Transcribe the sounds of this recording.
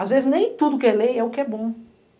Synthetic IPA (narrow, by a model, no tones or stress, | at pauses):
azvezɪznẽj̃t̪ud̪ʊkɪɛlẽjɛʊkɪɛbõ